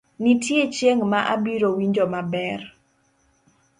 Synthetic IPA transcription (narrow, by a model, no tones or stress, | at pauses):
nitjet͡ʃjeŋmaʔabiɾowiɲd͡ʒomabɛr